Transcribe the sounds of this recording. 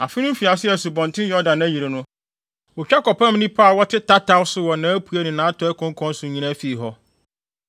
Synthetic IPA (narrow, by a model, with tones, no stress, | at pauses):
a˨fɪ˦nʊ̃˦m˦fi˨a˨sɪ˦ɛ˨su˨bɔ̃˨n˨tʰɪ̃˦njɔ˦dã˨næ˦ji˨ɾe˨nʊ̃˦ | ɔ˨t͡ɕᶣa˦kɔ˨pʰã˦m˦nɪ̃˦pʰaː˦˨wɔ˦tʰɪ˦tʰa˦tʰa˦wsʊ˦wɔ˨nãː˨˦æ˦pʰu˨˦æ˦nɪ̃˨nãː˨˦tʰɔ˨˦ɛ˦kʰɔ̃˦ŋ˦kʰɔ̃˦n˦sʊ̃˨ɲĩ˨nã˦fi˨ɦɔ˦